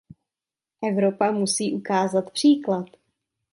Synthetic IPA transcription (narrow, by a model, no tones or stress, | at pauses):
ʔɛvɾopamusiːʔukaːzat̪pr̝̥iːklat̪